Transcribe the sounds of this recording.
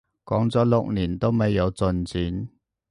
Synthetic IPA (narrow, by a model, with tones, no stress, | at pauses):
kɔː˨˥ŋt͡sɔː˨˥lʊ˨k̚niː˨˩nt̪o˥wme˨˧jːɐ˨˧wt͡sɵ˧nt͡siː˨˥n